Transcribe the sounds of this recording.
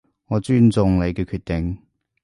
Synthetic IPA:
ŋɔː˨˧t͡ʃyː˥nt͡sʊ˧ŋle˨˧jkɛː˧kʰyː˧t̚t̪ɪ˨ŋ

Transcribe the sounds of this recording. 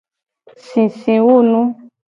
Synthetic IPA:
sĩ˨sĩ˨wu˦˨nũ˦

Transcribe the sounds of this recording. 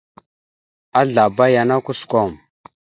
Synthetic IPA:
a˦ɮa˨ba˦ja˨na˦ku˦sko˦˨m

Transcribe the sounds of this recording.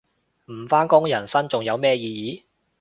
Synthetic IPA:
m̩˨˩faː˥nkʊ˥ŋjɐ˨˩nsɐ˥nt͡sʊ˨ŋjɐ˨˧wmɛː˥jiː˧jiː˨˥

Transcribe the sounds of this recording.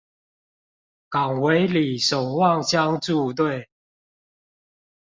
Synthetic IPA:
ka˨˩ŋwe˨˦ɪli˨˩so˨˩ŋwɑ˥˨ŋɕja˦ŋt͡su˥˧t̪̬we˥˨ɪ

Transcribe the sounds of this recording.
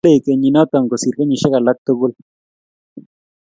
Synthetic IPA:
e˦˨ke˨ɲi˨nɔ˦t̪ɔ˨ŋko˨si˨ɾke˦ɲi˨ʃɪ˦ka˨la˦k̚t̪o˦bu˦l

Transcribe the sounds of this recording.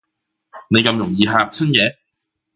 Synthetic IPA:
ne˨˧jkɐ˧mjʊ˨˩ŋjiː˧ɦaː˧k̚t͡sʰɐ˥njɛː˨˧

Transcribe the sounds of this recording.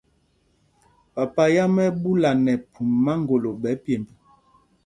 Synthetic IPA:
pa˨pa˦ja˦mɛ˦bu˦la˨nɛ˨pʰu˨mma˦ŋɡo˨lo˨bɛ˨˦pe˨mbu˨

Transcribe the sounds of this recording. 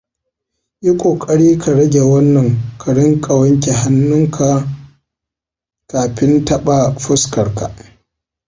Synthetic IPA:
ʔi˦kʷʼoː˨kʼɐ˦ɽiː˦kʰa˨ɽɐ˦ɡʲe˨wɐ˦nːɐ˨ŋkʰa˨ɽɪ˦ŋkʼɐ˨wɐ˦ŋkʲe˨ɦa˦nːʊ˦ŋkʰa˨ | kaː˨ɸɪ˦ntɐ˦ɓa˨ɸʊ˦skɐ˨ɽka̰˨ʔ

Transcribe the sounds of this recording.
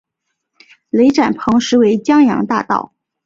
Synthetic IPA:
le˧˥ɪʈ͡ʂa˨˩npʰɤ˧˥ŋʂɻ̩˧˥we˧˥ɪt͡ɕjɑ˥ŋjɑ̰˧˥ŋt̪a̰˥˧t̪ɑ̰˥˩ʊ

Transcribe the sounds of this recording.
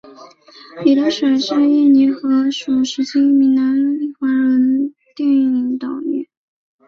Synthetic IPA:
li˨˩t̪ə˥ʂwe˨˩ʂa˥˧i˥˩ni˧˥xɤ˧˥ʂu˨˩ʂɻ̩˧˥t͡ɕʰi˥mi˧˥ŋna˧˥ni˥˩xwa˧˥ɻə˧˥n | t̪jɛ˥˧ny˥˩ni˧˥ŋt̪ɑ˨˩ʊmjɛ̰˥˩n

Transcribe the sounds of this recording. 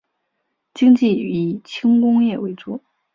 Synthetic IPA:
t͡ɕi˥ŋt͡ɕi˥˩y˧˥t͡ɕʰi˥ŋkʊ˥ŋjɛ˥˩we˧˥ɪʈ͡ʂu˥˩

